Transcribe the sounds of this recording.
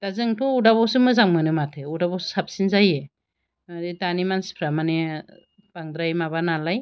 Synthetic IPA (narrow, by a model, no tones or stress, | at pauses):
d̥azɯŋtʰuudabɔwsɯmɯzaŋmɯnɯmatʰɯudabɔssap̚sinzaje | aɾidanimanspʰɾamane | b̥aŋdɾajmaβanalaj